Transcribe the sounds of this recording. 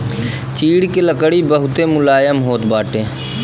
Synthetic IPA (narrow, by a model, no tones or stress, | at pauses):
t͡ʃiːɽkeləkəɽibəɦʊt̪emʊlaːjəmɦoːt̪baːʈẽː